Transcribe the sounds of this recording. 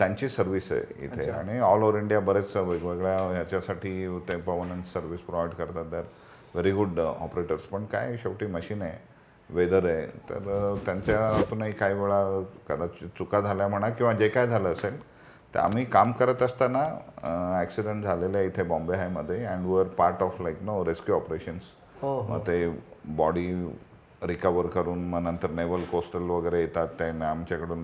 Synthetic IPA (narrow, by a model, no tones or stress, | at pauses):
t̪jãɲt͡ɕiːsəɾʋiːsḛḭt̪ʰḛa̰ɽ̃iɔlɔɾiɳɖijabəɾet͡sʋeɡʋeɡɭjajat͡ɕjasaʈʰiːt̪epəʋəɾmeɳʈsəɾʋispɾoʋajɖkəɾt̪at̪̚d̪jaɾ | ʋeɾiɡuɽɔ̰pɾeʈəɾspəɳka̰jɕəkʈiːməɕiːne | ʋed̪əɾet̪ə̰ɾt̪jaɲt͡ɕjat̪unaikaiʋeɭakəd̪at͡ɕt͡sukad͡zʱaljam̤əɽ̃akĩw̃ʋad͡ʑekajd͡zʱaləːsel | t̪ḛa̰m̤iːkamkəɾət̪əst̪ana | æksiɖəɳʈ̚d͡zʱalelit̪ʰebɔ̃mbeɦajməd̪ʱːjeɛ̃ɳɖʋiʋəɾpaɾʈɔflajknoɾeskjuɔpɾeɕəns | ɦomə̰ɡt̪ebɔɽiː | ɾikəʋəɾkəɾuːnməɡnənt̪əɾneʋəlkosʈəlʋəɡəɾejet̪at̪ːanamt͡ɕjakəɽuːn